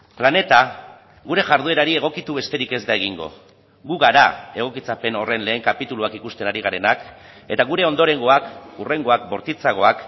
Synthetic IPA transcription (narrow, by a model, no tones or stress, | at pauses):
plane̞t̪a | ɣuɾe̞ʝaɾðueɾaɾie̞ɣ̞o̞kit̪uβe̞st̪e̞ɾike̞zd̪ae̞ɣ̞iŋɡo̞̰ | ɣuɣaɾae̞ɣ̞o̞kit͡sape̞no̞re̞nle̞ːŋkapit̪uluakikust̪e̞naɾiɣ̞aɾe̞nak | e̞t̪aɣ̞uɾe̞o̞nd̪o̞ɾe̞ŋɡo̞akure̞ŋɡo̞ak̚bo̞ɾt̪it͡saɣo̞ak